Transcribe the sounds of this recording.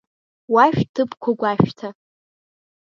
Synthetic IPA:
waʃᶣtʰɨpʰkʷʰaɡʷaʃᶣtʰa

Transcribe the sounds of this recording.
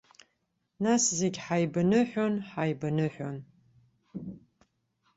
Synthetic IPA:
naszeɡʲħajbanɨħʷᶣonħajbanɨħʷᶣon

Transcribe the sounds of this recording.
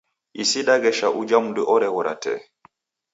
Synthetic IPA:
isiɗaɡɛʃaʔud͡ʒamuduʔɔɾɛɣɔɾa̰tɛ̰

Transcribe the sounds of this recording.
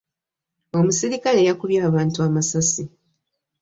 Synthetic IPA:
o̞musiɾikale̞ːjakuβjaːβaːntuamasasi

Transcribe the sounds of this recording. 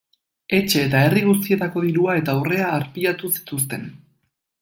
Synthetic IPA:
e̞t͡ʃe̞ːt̪ae̞riɣ̞us̬t̪ie̞t̪ako̞ðiɾuae̞t̪aure̞aːɾpiat̪usi̥t̪us̬t̪e̞n

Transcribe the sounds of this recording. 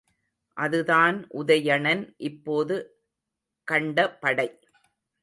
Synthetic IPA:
ʔɐðɯðaːnʔʊðɐjɐɳɐnʔɪpːoːðɯ | kɐɳɖɐpːɐɽɐɪ

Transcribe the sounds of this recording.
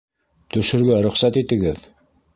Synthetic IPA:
t̪ɵ̆ʃɘ̆ɾɡæɾɵ̆χsæt̪it̪ɘ̆ɡɘð

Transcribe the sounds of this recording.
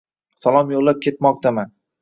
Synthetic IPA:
salˠɒmjoʁlap̚kʲʰe̞t̪mɒq̚t̪ʰaman

